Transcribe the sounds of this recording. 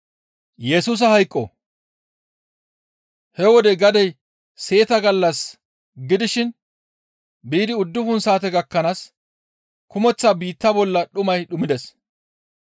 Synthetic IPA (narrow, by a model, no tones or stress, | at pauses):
jɛsuːs̬ɐhɐjkʼːɔ̰ | hɛwɔd̪ɛɡɐd̪ɛj | se̞ːt̪ɐɡɐlːɐs | ɡɪd̪ɪʃɪn | biːd̪ɪʊd̪ːʊfʊnsaːt̪ɛɡɐkːɐnaːs | kʊmɔt͡sːabiːt̪ːɐbɔlːɐɗʊmɐjɗʊmɪd̪ɛs